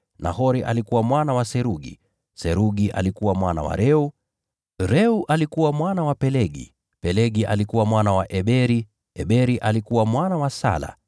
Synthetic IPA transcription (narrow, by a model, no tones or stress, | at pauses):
na̰ɦɔɾiʔa̰likuwamwanawasɛɾuɠḭ | sɛɾuɠiʔa̰likuwamwana̰wa̰ɾɛu | ɾɛuʔalikuwamwanawapɛlɛɡḭ | pɛlɛɡiʔa̰likuwamwanawaʔɛɓɛɾi | ɛɓɛɾiʔalikuwamwanawasa̰la̰